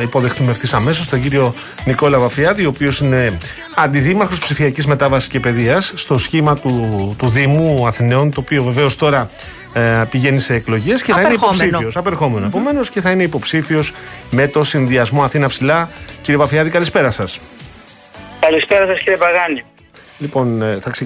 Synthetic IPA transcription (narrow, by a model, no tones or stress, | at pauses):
ipo̞ðe̞xθumefθisɐme̞s̬o̞st̪oɟiɾio̞ | niko̞lɐvɐfiɐðio̞ːpio̞sine̞ | ɐnd̪iðimɐɾxo̞spsifiɐcizme̞t̪ɐvɐsi̥sce̞pe̞ðiɐsːt̪o̞sçimɐt̪ut̪uðimuɐθineo̞nt̪oːpio̞ve̞ve̞o̞st̪o̞ɾɐ | piʝenise̞ːklo̞ʝesceθɐineiopsifosɐpeɾxo̞me̞noepo̞me̞no̞sce̞θɐine̞ipo̞psifio̞zme̞t̪o̞sinðiɐzmo̞ɐθinɐpsilɐciɾievɐfiɐðikɐlispe̞ɾɐsɐs | kɐlispeɾɐsɐsciɾievɐɣɐni | lipo̞nθɐkse